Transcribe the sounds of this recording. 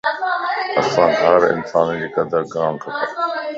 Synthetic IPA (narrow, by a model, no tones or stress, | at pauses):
ɐsãːɦɐɾɪ̰nsaːnd͡ʑiːkɐd̪əɾɡãːmkʰɐp̪aː